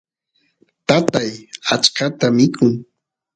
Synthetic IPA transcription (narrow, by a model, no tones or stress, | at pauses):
t̪at̪ajat͡ʃkat̪amɪkʰʊŋ